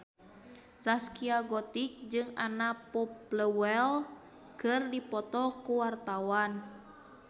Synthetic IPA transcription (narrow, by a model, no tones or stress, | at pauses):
t͡ʃaskiaɡɔt̪ik̚d͡ʒɨŋa̰napɔpləwɛl | kɨrdipɔt̪ɔkuwart̪awan